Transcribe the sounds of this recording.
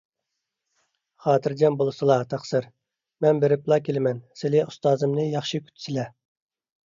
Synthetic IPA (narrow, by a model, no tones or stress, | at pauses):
χɑːt̪ʰɨɾd͡ʒɛmbolˠɨsɨlˠɑt̪ʰɑχsɨɾ | mɛnbeɾɪplˠɑːkʲʰelɪmɛnsɪlɪust̪ɑːzɨmnɨjɑχʃɨkʲʰy̥t̪ʰy̥sɪlɛ